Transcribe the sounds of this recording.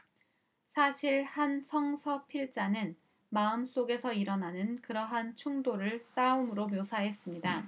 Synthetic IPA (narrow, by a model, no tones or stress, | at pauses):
sʰaɕʰiɭhansʰʌŋsʰʌpʰiɭt͡ɕ͈anɯn | maɯms͈oɡe̞sʰʌiɾʌnanɯnkɯɾʌɦant͡ɕʰuŋdoɾɯɭs͈aumɯɾomjosʰaɦe̞s͈ɯmɲida